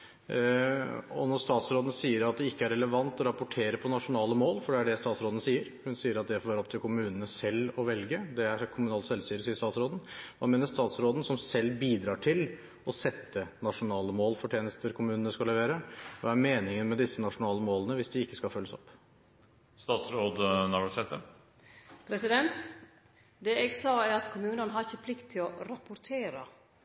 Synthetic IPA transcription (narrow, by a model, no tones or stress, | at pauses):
ɔ̰nɔɾst̪ɑːt̪sɾoːd̪n̩siːəɾɑt̪̚d̪ɛɪkːəæɾɛləʋɑnt̪ɔɾɑpʊʈʰeːɾəpʰɔnɑʂʊnɑːləmoːlfɔɖɛæɖɛst̪ɑːt̪sɾoːd̪n̩siːəɾhʉnsiːəɾɑt̪̚d̪ɛfoʋːɾɔp̚t̪ʰɪlkʰʊmʉːnənəsɛlːɔʋɛlɡəd̪ɛæɾkʰʊmʉnɑːlt̪sɛlst̪yːɾəsiːəʂt̪ɑːt̪sɾoːd̪n̩ʋɑ̰ːmeːnəɾst̪ɑːt̪sɾoːd̪ən̩sɔmsɛlːbiːd̪ɾɑːʈʰɪl | ɔsɛt̪ːənɑʂʊnɑːləmoːlfɔʈʰeːnəst̪əɾkʰʊmʉːnənəskɑləʋeːɾəʋɑ̰ːæɾmeːnɪŋənmɛd̪ɪsːənɑʂʊnɑːləmoːlənəʋɪsd̪ɪɪkːəskɑfœlːəsɔ̰pː | st̪ɑːt̪sɾoːd̪nɑɖsɛt̪ːə | pʰɾɛsɪd̪ɛnt̪ | d̪ɛɛɡsɑːæɾɑt̪kʰʊmʉːnənɦɑɾɪçəpʰlɪkt̪ʰːɪlɔɾɑpʊɾt̪ʰeːɾə